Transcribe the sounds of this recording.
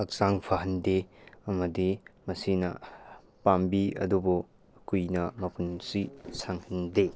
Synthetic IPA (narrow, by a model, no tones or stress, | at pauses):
ɐk̚saŋpʰaɦɐndeɐmɐdimɐsinɐ | pambiɐ̰dubu | kujnɐmɐpunsisaŋhɐnde